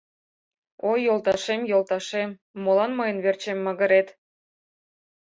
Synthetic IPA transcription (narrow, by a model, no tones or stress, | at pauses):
ojːolˠt̪ɑʃemjolˠt̪ɑʃemː | olɑnmɤjənβert͡ɕemːəɣə̆ɾet̪